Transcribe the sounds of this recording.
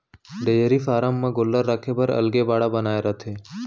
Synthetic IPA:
ɖejəɾifaːɾamːãɡolːəɾːaːkʰebəɾə̰lɡebaːɽabənaːeɾət̪ʰe

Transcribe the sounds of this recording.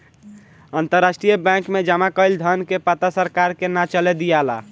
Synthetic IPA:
ənt̪əɾːasʈɾijəbɛ̃kmed͡ʒamakəjld̪ʱənkepat̪asəɾkaɾkenat͡ʃəlɛd̪ijala̰

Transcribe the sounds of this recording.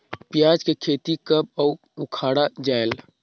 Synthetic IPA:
pjaːd͡ʒkekʰeːt̪ikəbɔu | ʊkʰaːɽad͡ʒaːel

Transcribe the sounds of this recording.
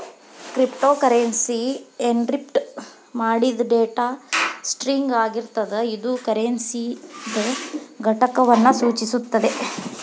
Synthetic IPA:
kɾipʈoːkɐɾensieɳɖɾip̚ʈ | maːɽid̪ɖeːʈasʈɾiŋɡaːɡiɾt̪ɐd̪ɐid̪ukɐɾensid̪ɐɡʱɐʈɐkɐʋɐnːɐsuːt͡ʃisut̪ːɐd̪e̞

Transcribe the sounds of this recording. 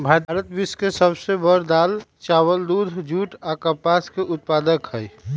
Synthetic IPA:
bʱat̪ɾət̪biskesəbsebəɾd̪aːlt͡ʃawəld̪ud̪ʱd͡ʒuːʈakəpaskeʔʊt̪̚paːd̪əkɦəj

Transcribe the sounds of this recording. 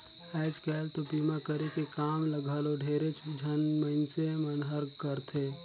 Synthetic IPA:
ɛɪd͡ʒkɛlt̪opimakəɾekekamləɡʱəloɖʱeɾet͡ʃʰd͡ʒʱənməɪnsemənɦəɾkəɾt̪ʰe

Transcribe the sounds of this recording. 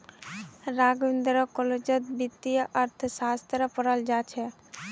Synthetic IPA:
ɾaɡind̪ɾəkolod͡ʒət̪bit̪ːijəʔəɾt̪ʰsast̪ɾəpəɾəld͡ʒat͡ʃʰɛ

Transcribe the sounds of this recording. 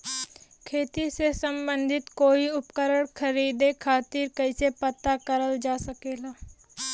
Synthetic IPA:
kʰeːt̪isesə̃mbə̃nd̪ʱɪt̪koːiʊpkəɾəɽkʰəɾiːd̪ekʰaːt̪iːɾkɐisepət̪ːakəɾəld͡ʒaːsəkeːlaː

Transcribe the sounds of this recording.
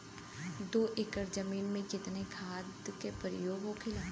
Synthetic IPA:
d̪oːʔɪkəɾd͡ʒəmiːnmẽkɪt̪nekʰaːd̪kepəɾjoːɡõkʰɪlãː

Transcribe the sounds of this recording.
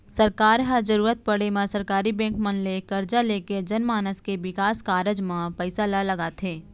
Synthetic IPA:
sɐɾkaːɾɦad͡ʒɐɾuːɾət̪̚pɐɽemãsɐɾkaːɾibɛ̃ːŋkmɐ̃nlekɐɾd͡ʒaleːked͡ʒɐnmaːnəskeʋɪkaːskaːɾəd͡ʒmãpɛɪsalalɐɡaːt̪ʰeː

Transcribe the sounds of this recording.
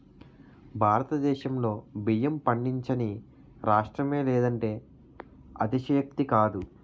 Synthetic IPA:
bʱaːɾɐt̪ɐd̪ɛːʃɐmlo̞ːbijɐmpɐɳɖiɲt͡ʃɐni | ɾaːʂʈɾɐme̞ːleːd̪ɐɳʈe̞ː | ɐ̰t̪iʃɐjɐk̚t̪ikaːd̪u

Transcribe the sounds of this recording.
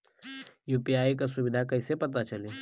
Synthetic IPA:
juːpiaːikasʊbɪd̪ʱakɐɪsepɐt̪at͡ʃɐleː

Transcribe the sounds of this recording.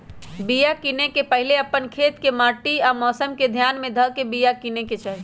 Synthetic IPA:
bijakinekepəɦileəpːənkʰet̪kemaʈiamɔːsəmked̪ʱjanmed̪ʱəkebijakineket͡ʃʰaj

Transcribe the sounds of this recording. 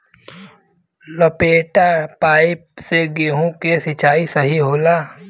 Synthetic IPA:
lopeːʈapaːiseɡeːɦõkesɪt͡ʃʰaːisəɦiɦoːlaː

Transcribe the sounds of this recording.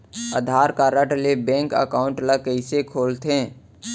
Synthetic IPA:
əd̪ʱaːɾkaːɾəʈlebɛ̃ːŋkə̰kaːʊ̃ɳʈləkəɪsekʰoːlt̪ẽː

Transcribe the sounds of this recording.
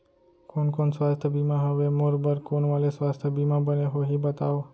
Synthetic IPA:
konkonsʋast̪ʰəbimãɦəʋemoɾbəɾkonʋalesʋast̪ʰəbimãbəneɦoɦibət̪aʋo

